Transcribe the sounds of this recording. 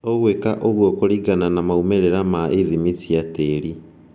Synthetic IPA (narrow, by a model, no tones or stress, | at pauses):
oɣwekaʔoɣwɔkoɾiɡananamaumeɾeɾamaʔeðimisiateɾi